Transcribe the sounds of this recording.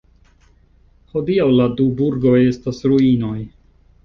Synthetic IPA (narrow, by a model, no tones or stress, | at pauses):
ho̞diawladubuɾɡo̞je̞stasɾuino̞j